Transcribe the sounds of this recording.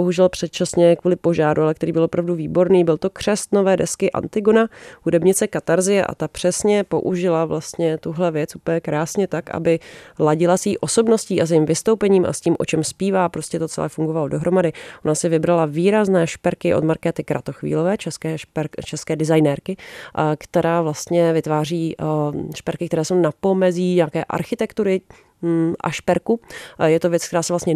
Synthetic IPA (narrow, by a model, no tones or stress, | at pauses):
boɦuʒɛlpr̝̥ɛt̪̚t͡ʃasɲɛkvuːlɪpo̞ʒaːɾualɛk̚t̪ɛɾiːbɪlopɾavduviːbo̞ɾniːbɪlt̪o̞kr̥ɛst̪novɛːdɛskɪʔa̰nt̪ɪɡonahudɛbɲɪt͡sɛkat̪aɾzɪjɛʔa̰t̪apr̝̥ɛsɲɛpo̞̰ʔuʒɪlavlast̪ɲɛt̪uɦlɛvjɛt͡sʔupəɲɛkɾaːsɲɛt̪akʔa̰bɪlaɟɪlasiːʔo̞so̞bno̞sciːʔas̬iːmvɪst̪owpɛɲiːmʔa̰sciːmʔo̞t͡ʃɛmspiːvaːpɾo̞scɛt̪o̞t͡sɛ̰lɛ̰ːfuŋɡo̞valodo̞ɦɾo̞madɪʔonasɪvɪbɾalaviːɾaznɛːʃpɛɾkɪʔo̞̰d̪maɾkɛːt̪ɪkɾʔa̰t̪o̞xvḭːlo̞vɛːt͡ʃɛskɛːʃpɛɾt͡ʃɛskɛːdɪzajnɛɾkɪkt̪ɛɾaːvlast̪ɲɛvɪt̪vaːriːʃpɛɾkɪkt̪ɛɾɛːso̞wnapo̞mɛziːɲaːkɛːʔa̰ɾxɪt̪ɛkt̪uɾɪ | ʔa̰ʃpɛɾkujɛt̪ovjɛt͡sk̚t̪ɛɾaːsɛvlast̪ɲɛ